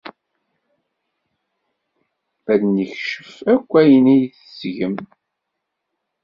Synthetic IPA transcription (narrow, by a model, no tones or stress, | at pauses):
æðnəçʃə̥fækʷːæjənæjθəsʝəm